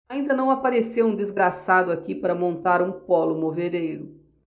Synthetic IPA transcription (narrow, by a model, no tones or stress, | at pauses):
aĩnd̪ɐnɐ̃w̃apaɾesewũd͡ʒ̪ezɡɾasad̪ʊakipaɾɐmõnt̪aɾũpɔlʊmoveɾejɾʊ